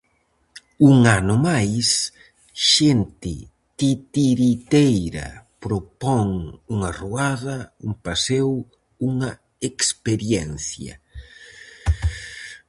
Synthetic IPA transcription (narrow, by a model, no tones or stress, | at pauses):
uŋanʊmajs | ʃent̪ɪ̰ | t̪it̪iɾit̪ejɾɐ̰pɾopɔŋuŋɐruaðɐumpasew | uŋɐ | ekspeɾjɛnθjɐ̰